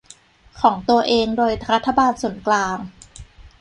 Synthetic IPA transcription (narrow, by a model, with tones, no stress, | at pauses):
kʰɔː˩˦ŋt̪u˧ɐʔeː˧ŋdoː˧jɾa˦˥t̪ʰːa˧baː˧nsu˨˩˦nklaː˧ŋ